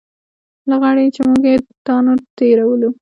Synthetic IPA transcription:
laɣaɽet͡ʃemuɡjet̪ɑnot̪eɾawəlu

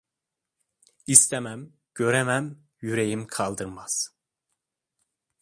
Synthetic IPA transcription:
ist̪ʰɛmæm | ɟ̥ø̞ɾɛmæm | jyɾejimkʰɑlˠd̪ɯɾmaz̥

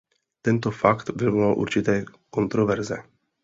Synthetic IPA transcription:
t̪ɛnt̪ofakt̪vɛvmalʔṵrt͡ʃit̪ekont̪ɾovɛɾzḛ

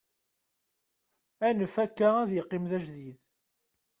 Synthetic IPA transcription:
ænəfækːææðjəqːimðæʒðið

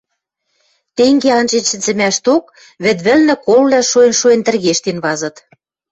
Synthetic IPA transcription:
t̪eŋɡeɑnt͡ɕenʃɘ̆nzɘ̆mæʃt̪ok̚ | βɘ̆t̪βɘ̆lnɘ̆kollæʃuenʃuent̪ɘ̆rɣeʃt̪enβɑzɤ̆t̪

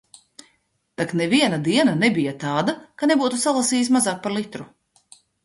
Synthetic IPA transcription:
t̪aknɛviɛnad̪iɛnanɛbijat̪aːd̪akanebuːt̪usalˠasiːjs̬mazaːk̚paɾlˠit̪ɾu

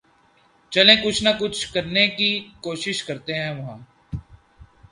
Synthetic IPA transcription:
t͡ʃɐlẽkʊt͡ʃʰnɐkʊt͡ʃʰkɐɾnekikoːʃɪʃkɐɾt̪eɦɛ̃ʋɐɦãː

